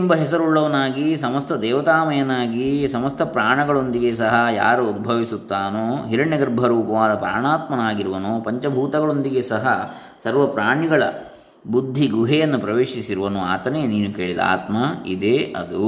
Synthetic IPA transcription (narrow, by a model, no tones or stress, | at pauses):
umbɐɦɛsɐɾuɭːɐʋɐnaːɡisɐmɐst̪ʰɐd̪ɛːʋɐt̪aːmɐjɐnaːɡisɐmɐst̪ʰɐpɾaːɳɐɡɐɭo̞nd̪iɡesɐɦɐja̰ːɾuud̪̚bʱɐʋisut̪ːaːnoːɦiɾɐɳɐɡɐɾbʱɐɾuːpɐʋaːd̪ɐpɾa̰ːɳaːt̪mɐnaːɡiɾuʋɐnoːpɐɲt͡ʃɐbʱuːt̪ɐɡɐɭo̞nd̪iɡesɐɦɐ | sɐɾʋɐpɾaːɳiɡɐɭɐ̰ | bud̪ʱːiɡuɦɛjɐnːupɾɐʋeːʃisiɾuʋɐnua̰ːt̪ɐneːniːnukeːɭid̪ɐa̰ːt̪mɐḭd̪eɐ̰d̪u